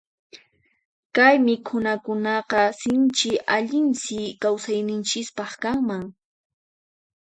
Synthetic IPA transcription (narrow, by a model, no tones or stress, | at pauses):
kajmɪkʰʊnakʊnɑqɑsɪnt͡ʃɪʔaʎɪnsɪkawsajnɪnt͡ʃɪspɑχkaŋmaŋ